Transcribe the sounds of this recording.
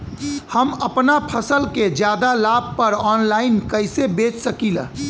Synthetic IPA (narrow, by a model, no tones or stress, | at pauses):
həməpnapʰəsəlked͡ʒjaːd̪alaːb̚pəɾɔːnlaːɪnkəɪsebeːt͡ʃsəkilə̰